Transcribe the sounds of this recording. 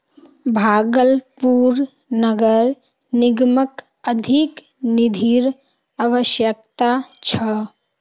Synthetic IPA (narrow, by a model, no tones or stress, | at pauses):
bʱaːɡəlpuːɾ | nəɡəɾ | nɪɡmək | əd̪ʱik | nɪd̪ʱiɾ | aʋəʃjəkt̪at͡ʃʰə